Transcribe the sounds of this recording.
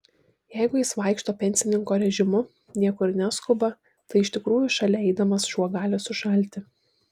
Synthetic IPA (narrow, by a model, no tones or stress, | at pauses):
jɛɪɡʊjɪsʋɑˑɪkʃt̪oːpʲɛnʲsʲɪnʲɪŋkoːɾʲɛʒʲɪmʊ | nʲiɛkʊɾnʲæskʊbɐ | t̪ɐɪɪʃʲt̪ʲɪkɾuːjʊʃɐlʲɛɛɪd̪ɐmɐsʃuɔɡɑːlʲoːsʊʃɐlʲt̪ʲɪ